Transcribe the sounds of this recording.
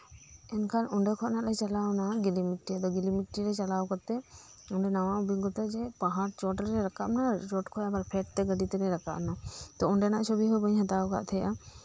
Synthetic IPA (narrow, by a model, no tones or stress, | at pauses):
ɛnkʰanɔɳɖɛkʰɔʔnaʔlɛt͡ʃalawnaɡilimiʈːiad̪ɔɡilimiʈːiɾɛt͡ʃalawkɔt̪ːɛɔɳɖɛnawaubiɡɔt̪ad͡ʒɛpaɦaɾt͡ʃɔʈɾɛɾakaʔnaɾɔʈkʰɔjabaɾpʰɛʈ̚t̪ɛɡəɖit̪ɛɾɛɾaka̰ʔnat̪ɔɔɳɖɛnaʔt͡ʃʰɔbiɦɔjbəɲɦat̪awka̰ʔt̪ʰɛja